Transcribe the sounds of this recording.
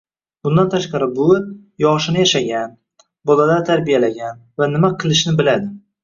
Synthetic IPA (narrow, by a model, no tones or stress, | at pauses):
bʊnd̪ant̪ʰaʃqɑɾɪbʊ | jɒʁʃɪnɪjaʃaɡʲan | bɒlalaɾt̪ʰaɾbijalaɡʲanvanɪmaqʰɨlˠɪʃnɪbɪlad̪ɪ